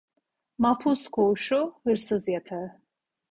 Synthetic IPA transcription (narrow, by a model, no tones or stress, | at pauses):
mapʰuskʰouʃuhɯɾsɯzjat̪ʰaɯ